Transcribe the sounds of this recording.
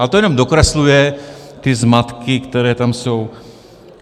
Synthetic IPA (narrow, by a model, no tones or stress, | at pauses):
alɛt̪ojɛnomd̪okɾɛslujɛt̪izmat̪kikt̪ɛɾɛːt̪amsow